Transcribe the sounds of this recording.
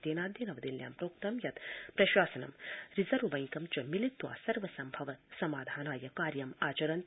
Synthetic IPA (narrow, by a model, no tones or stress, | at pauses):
t̪eːnaːd̪jinɐʋɐd̪ilja̰ːmpɾoːk̚t̪ɐmjɐt̪pɾɐʃwaːsɐnɐ̰mɾizɐɾʋʋɐ̃ŋkɐmt͡ʃɐmilit̪ʋa̰ːsɐɾʋɐsɐmbʱɐʋɐsɐmaːd̪ʱaːnaːjɐkaːɾjɐmaːt͡ʃɐɾɐnt̪